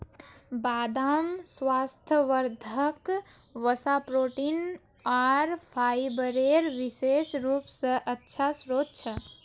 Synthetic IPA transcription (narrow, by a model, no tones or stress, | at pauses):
baːd̪amsʋast̪ʰəʋəɾd̪ʱək | ʋəsapɾoʈin | aɾpʰaibəɾeɾʋisesɾuːpsə̃ʔətːt͡ʃʰasɾod̪̚t͡ʃʰə